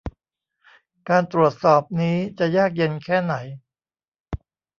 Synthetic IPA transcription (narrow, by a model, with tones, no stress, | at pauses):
kaː˧nt̪ɾu˨˩ət̪̚sɔː˨˩p̚niː˦˥t͡ɕa˨˩jaː˥˩k̬̚je˧nkʰɛː˥˩na˩˦j